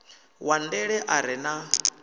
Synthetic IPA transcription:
wandɛɺɛʔaɾina

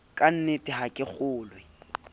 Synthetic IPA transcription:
kʼan̩nɪtʼɪɦakʼɪχʊːlwɪ

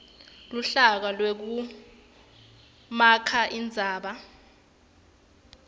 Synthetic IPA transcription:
luɬak̬alwek̬u | makʰaʔind͡zʱaːɓa

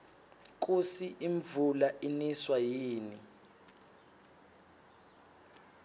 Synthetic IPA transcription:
k̬usiʔiɱvulaʔiniswajiːni

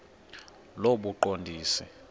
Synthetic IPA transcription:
loɓuǃondʱiːsi

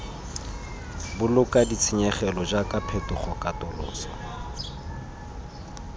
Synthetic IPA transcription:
bʊlʊkʼadit͡sʰɪɲɛχɛlɔd͡ʒakʼapʰɛtʊχɔkʼatɔlʊ̰ːsɔ̰

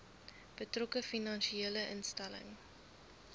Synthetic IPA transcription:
b̥ətrokəfinɐnʃieːləʔənstælə̰ŋ

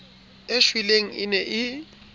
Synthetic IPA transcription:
eʃwileŋ̩ɪ̰nɛʔɪ

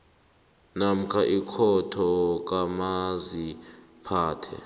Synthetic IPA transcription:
nam̩kʰaʔikʰɔtʰɔk̬amazi | pʰaːtʰɛ̰

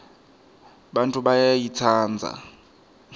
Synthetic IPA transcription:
ɓantʼuɓajajitʰaːnd͡zʱa̰

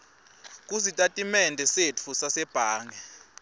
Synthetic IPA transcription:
kʼuzitʼatʼimɛndʱɛset͡fʰusasɛb̥ʱaːŋɛ

